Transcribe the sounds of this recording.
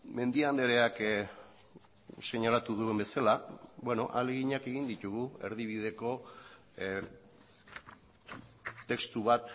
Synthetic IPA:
me̞nd̪iand̪e̞ɾeak | se̞ɲalat̪uðuembe̞salabwe̞no̞̰ʔaleɣiɲake̞ɣind̪it̪uɣ̞ue̞ɾðiβ̞ið̞e̞ko̞ | t̪ːe̞kst̪uβ̞at̪

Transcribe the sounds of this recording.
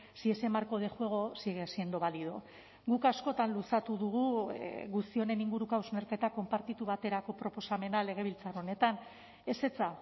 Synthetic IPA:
siese̞maɾko̞ðe̞xue̞ɣ̞o̞siɣesiend̪o̞βaliðo̞ | ɡukasko̞t̪anlusat̪uðuɣ̞uɣust̪io̞ne̞niŋɡuɾukawsme̞ɾke̞t̪ako̞mpaɾt̪it̪uβat̪e̞ɾako̞pɾo̞po̞same̞nale̞ɣ̞e̞β̞ilt͡saro̞ne̞t̪an | e̞se̞t͡sa

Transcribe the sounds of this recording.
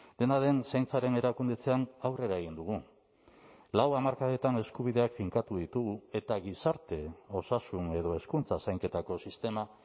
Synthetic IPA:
d̪e̞naðe̞nsajnt͡saɾe̞ne̞ɾakund̪et͡se̞anawre̞ɾae̞ɣind̪uɣ̞u | lawamaɾkaðet̪ane̞skuβiðe̞akfiŋkat̪uðit̪uɣue̞t̪aɣ̞isaɾt̪e̞o̞sasune̞ð̞o̞e̞skunt͡sasajŋke̞t̪ako̞sist̪e̞ma

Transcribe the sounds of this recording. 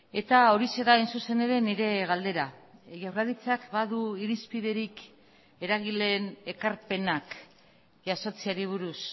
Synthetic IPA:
e̞t̪ao̞ɾise̞ɾainsuse̞ne̞ɾe̞niɾe̞ɣald̪e̞ɾaʝawɾraðit͡sakbaðuiɾispiðe̞ɾik | e̞ɾaɣile̞ne̞kaɾpe̞nak | ʝaso̞t͡siaɾiβ̞uɾus

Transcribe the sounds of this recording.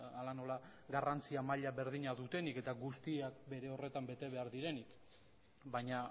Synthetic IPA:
alano̞laɡarant͡siamaʎaβe̞ɾðiɲaðut̪e̞nike̞t̪aɡust̪iak̚be̞ɾe̞o̞re̞t̪ambe̞t̪e̞β̞e̞aɾðiɾe̞nik | bajɲa

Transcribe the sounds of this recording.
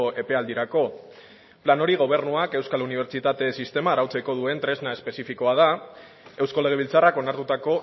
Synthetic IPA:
e̞pe̞ald̪iɾako̞ | plano̞ɾiɣ̞o̞β̞e̞ɾnuake̞wskaluniβ̞e̞ɾt͡ʃit̪at̪e̞sist̪e̞maːɾawt͡seko̞ðue̞nt̪ɾe̞znae̞spe̞sifiko̞að̞a | e̞wskole̞ɣe̞ilt͡sarako̞naɾt̪ut̪ako̞

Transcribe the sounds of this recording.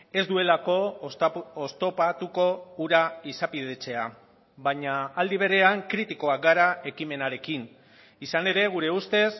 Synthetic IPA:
e̞zd̪ue̞lako̞ | ost̪o̞pat̪uko̞uɾaisapiðe̞t͡se̞a | βaɲaːld̪iβ̞e̞ɾe̞aŋkɾit̪iko̞ak̚ɡaɾae̞kime̞naɾe̞kin | isane̞ɾe̞ɣ̞uɾe̞ust̪e̞s

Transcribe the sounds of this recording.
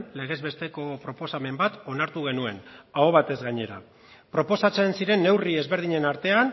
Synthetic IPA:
le̞ɣ̞e̞zβe̞st̪e̞ko̞pɾo̞po̞same̞mbat̪o̞naɾt̪uɣe̞nue̞naoβ̞at̪e̞zɣaɲe̞ɾa̰ | pɾo̞po̞sat͡se̞nsiɾe̞nːe̞wrie̞zβe̞ɾð̞iɲe̞naɾt̪e̞an

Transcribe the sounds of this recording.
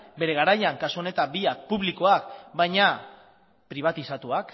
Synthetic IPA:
be̞ɾe̞ɣaɾajaŋkasuo̞ne̞t̪abiak̚puβliko̞akbajɲa | pɾiβ̞at̪isat̪uak

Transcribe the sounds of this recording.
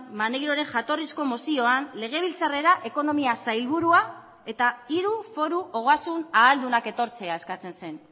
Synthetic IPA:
mane̞ɣɾo̞ɾe̞ŋʝat̪o̞risko̞mosio̞anle̞ɣ̞e̞β̞ilt͡sare̞ɾaʔe̞ko̞no̞miasajlβuɾua | e̞t̪aiɾufo̞ɾuʔo̞ɣ̞asunaːld̪unake̞t̪o̞ɾt͡se̞ae̞skat͡se̞nse̞n

